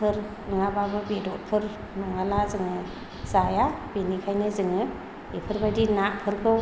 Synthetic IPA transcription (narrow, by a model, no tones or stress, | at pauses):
pʰɯɾ | ɯŋababɯbedɔt̚pʰɯɾ | nɔŋalazɯŋɯ | zajabenikʰajnɯzɯŋɯ | ipʰɯɾbadinapʰɯɾkʰɯw